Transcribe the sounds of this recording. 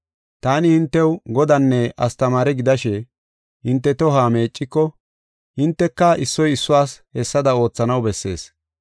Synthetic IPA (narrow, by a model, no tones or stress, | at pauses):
t̪aːnɪhɪnt̪ːɛwɡɔd̪ɐnːɛʔɐst̪ɐmaːɾɛɡɪd̪ɐʃɛ | hɪnt̪ːɛt̪ɔɦaːme̞ːt͡ʃʼːɪkːɔ | hɪnt̪ːɛkːɐʔɪsːɔjɪsːʊwaːshɛsːɐd̪ɐo̞ːt͡sːɐnɐwbɛsːe̞̰ːs